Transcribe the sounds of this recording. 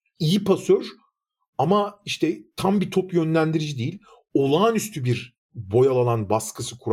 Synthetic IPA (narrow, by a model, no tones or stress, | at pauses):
ijipasøɾ | amaiʃt̪ʰɛt̪ʰambit̪ʰopjø̞nlʲænd̪iɾid͡ʒid̪ejilʲ | o̞lˠaːnyst̪ʰybiɾ | bo̞jalˠalˠanbaskʰɯsɯkʰuɾ